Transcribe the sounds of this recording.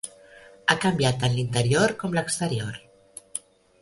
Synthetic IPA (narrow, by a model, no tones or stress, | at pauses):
akambjat̪ːənlint̪əɾioɾkɔmləkst̪əɾioɾ